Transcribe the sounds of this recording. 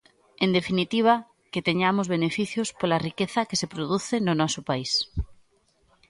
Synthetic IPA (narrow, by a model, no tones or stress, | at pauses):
end̪efinit̪iβ̞a | ket̪eɲamozβ̞enefiθjospolarikeθakesepɾoð̞uθenonɔsopais